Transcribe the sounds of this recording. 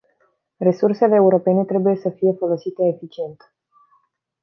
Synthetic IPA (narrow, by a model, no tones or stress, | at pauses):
re̞surse̞leːuɾo̞pe̞ne̞t̪ɾe̞buje̞səfije̞fəlosit̪e̞ːfit͡ʃie̞nt̪